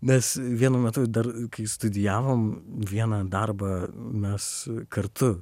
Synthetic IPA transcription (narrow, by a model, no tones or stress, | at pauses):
nʲɛsʋʲiɛnʊːmʲɛt̪ʊd̪ɐrkɐɪst̪ʊd̪ʲɪjæːʋoːmʋʲiɛnɐd̪ɐrbɐmʲɛskɐɾt̪ʊ